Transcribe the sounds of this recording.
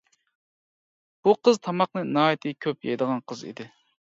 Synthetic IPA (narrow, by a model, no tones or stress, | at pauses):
b̥uqəzt̪ʰɑmɑqnɨnɑːit̪ʰɪkʲʰøpjɛ̰jd̪əʁɑnqʰəzḭd̪ɪ